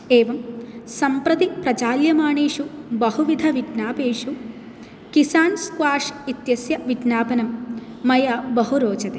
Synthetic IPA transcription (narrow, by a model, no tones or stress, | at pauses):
eːʋɐmsɐmpɾɐt̪ipɾɐt͡ʃaːljɐmaːɳeːʂubɐɦuʋid̪ʱɐʋiɖnaːpeːʂu | kisaːnskwaːʂit̪jɐsjɐʋiɖnaːbɐnɐmː | ɐjɐbɐɦuɾoːt͡ʃɐt̪eː